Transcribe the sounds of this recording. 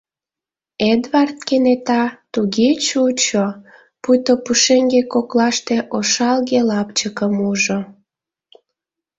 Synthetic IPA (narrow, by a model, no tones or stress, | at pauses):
ed̪βɑrt̪̚kenet̪ɑt̪uɣet͡ɕut͡ɕo | pujt̪opuʃeŋɡekoklɑʃt̪eʔoʃɑlɣelɑpt͡ɕəkəmuʒo